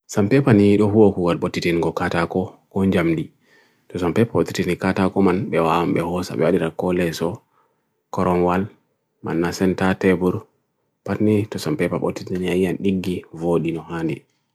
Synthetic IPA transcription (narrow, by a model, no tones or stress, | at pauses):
sampɛpaniiɗɔɦuwokuɡalɓotːitiniɡɔkatakɔkɔɲd͡ʒamdi | tɔsampɛpaɓotːitinikatakɔmanɓɛwawamɓɛhɔsa̰ɓɛ̰waɗiɾakɔlɛsɔ | kɔɾɔnwal | ma̰nːasɛntatɛbuɾ | patnitɔsampɛpaɓo̰tːitiniajijanɗiɡːivoɗinɔhandi